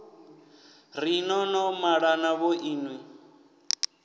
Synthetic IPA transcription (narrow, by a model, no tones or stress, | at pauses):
rinɔnɔmaɺanaβɔʔiːnwi